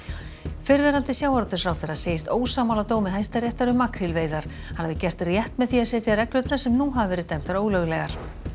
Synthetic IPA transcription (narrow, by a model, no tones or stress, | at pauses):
fɪɾvɛɾant̪ɪsjawhaɾt̪ʏsɾawθɛrːaseːjɪst̪oːwsaːmawlat̪oːwmɪðɦajst̪arjɛht̪aɾʏmːakɾɪlveːjðaɾ̥ | hanːavɪcɛr̥t̪rjɛht̪mɛðθiaðsɛːt̪jɪaɾɛklœʏt̪nasɛmnuɦavavɛːɾɪt̪ɛjm̥t̪aɾoːwlœɣlɛɣaɾ̥